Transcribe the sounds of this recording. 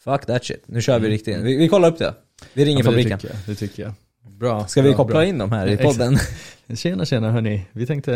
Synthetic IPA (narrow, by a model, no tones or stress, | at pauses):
fakd̪æt̪ʃɪ̰t̪nʉ̟ɕœːvɪɾɪk̚t̪ɪɡnvɪvɪkʰɔlːaɾɵp̚d̪ɛ̰ | vɪɾɪŋːɾɪfabɾiːkəna̰d̪ɛt̪ʰʏkːəja | bɾskavɪkʰɔpːlaɪnːd̪ɔmhæːɾɪpʰɔdd̪ːənɕeːnaɕeːnaɦœɳɪvɪt̪ʰɛŋkt̪ə